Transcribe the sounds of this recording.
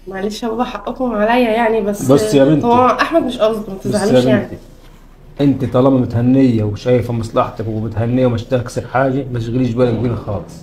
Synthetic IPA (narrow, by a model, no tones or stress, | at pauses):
mæʕleʃhæbæbæʔħɑʔʔekhomʕalæjːæjaʕnibæsːbɑsˤːjæment̪ɑɑʔaħmæd̪meʃʔɑbzˤɑt̪mæt̪eʕlæmenaʕit̪i | ʔent̪it̪ˤɑːlɑbɑmʊt̪hænːejːæweʃæjːfæmɑsˤlɑħt̪ˤɑkwemʊt̪hænːejːæwmæʃt̪æksɑɾħaːɡæmætʃɣɪliːʃbæːlækbiːnæxɑːlesˤ